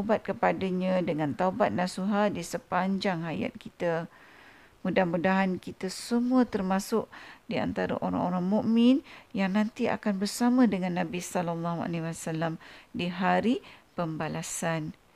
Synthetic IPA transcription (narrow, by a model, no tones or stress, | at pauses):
bat̪̚kəpadaɲãdəŋãnt̪aubat̪̚nasuɦadisəpaɲd͡ʒaŋaja̰t̪̚kit̪a | mudahmudaɦankit̪asəmuət̪ərmãsʊʔdia̰nt̪aɾa̰ʔoɾa̰ŋoɾaŋmũʔmɪ̃njaŋnant̪ia̰kanbərsamə̃dəŋãnːãbisɔlɔlːɑɦua̰lewasalːamdiɦaɾipəmbalasan